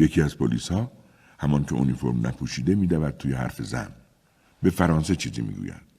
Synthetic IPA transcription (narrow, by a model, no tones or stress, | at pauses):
je̞cʰiːæzpʰolḭːshɒː | hæmɒːncʰeʔunifo̞ɾmnæ̰pʰuʃiːd̪emiːd̪ævæd̪̚t̪ʰuːjehæ̰ɾfe̞zæ̰n | be̞fæɾɒːnse̞t͡ʃʰiːzḭmḭɡṵːjæ̰nd̪̥